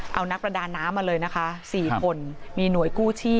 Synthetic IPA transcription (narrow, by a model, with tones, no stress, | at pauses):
ʔa˧wna˦˥k̚pɾa˧daː˧nːaː˦˥mːaː˧lɤː˧jna˦˥kʰa˦˥siː˨˩kʰo˧nmiː˧nu˩˦əjkuː˥˩t͡ɕʰiː˥˩